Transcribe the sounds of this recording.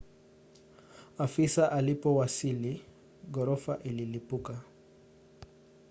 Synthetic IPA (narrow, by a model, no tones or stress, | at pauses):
afisaʔalipɔwasili | ɡɔɾɔfaʔililipuka